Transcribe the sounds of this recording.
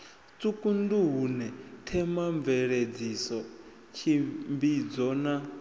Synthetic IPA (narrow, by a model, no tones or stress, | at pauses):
t͡sʼukʼunduɦunɛtʰɛmaɱvɛɺed͡zisɔ | t͡ʃʰimbid͡zɔna